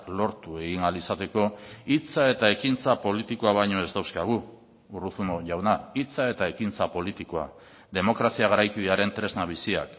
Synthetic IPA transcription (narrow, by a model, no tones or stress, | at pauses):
lo̞ɾt̪ue̞ɣiŋalisat̪e̞ko̞it͡sae̞t̪ae̞kint͡sapo̞lit̪iko̞aβ̞ajɲo̞e̞zd̪awskaɣ̞u | uruθunoʝawnait͡sae̞t̪ae̞kint͡sapo̞lit̪ikoa̰ | d̪e̞mo̞kɾasiaɣ̞aɾajkiðeaɾe̞nt̪ɾe̞znaβ̞isia̰k